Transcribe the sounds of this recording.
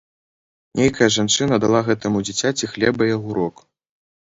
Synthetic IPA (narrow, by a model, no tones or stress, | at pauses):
nʲejkɐjɐʐant͡ʂɨnɐd̪alˠaɣɛt̪ɐmud͡zʲit͡sʲat͡sʲixlʲɛbɐjaɣuɾɔk